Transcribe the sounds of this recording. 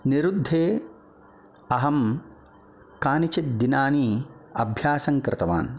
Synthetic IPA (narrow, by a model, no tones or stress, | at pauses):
niɾud̪ʱːeː | ɐɦɐm | kaːnit͡ʃit̪̚d̪inaːniɐ̰bʱjaːsɐŋkɾɪt̪ɐʋa̰ːn